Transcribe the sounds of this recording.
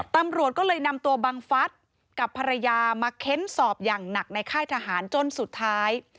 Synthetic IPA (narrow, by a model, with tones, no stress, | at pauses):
t̪a˧mɾu˨˩ət̪̚kɔː˥˩lɤː˧jna˧mt̪u˧ɐbaː˧ŋfa˦˥t̪̚ | ka˨˩pʰːa˧ɾa˧jaː˧maː˧kʰe˦˥nsɔː˨˩p̚jaː˨˩ŋna˨˩k̚na˧jkʰaː˥˩jt̪ʰa˧ɦaː˩˦nt͡ɕo˧nsu˨˩t̪ʰːaː˦˥j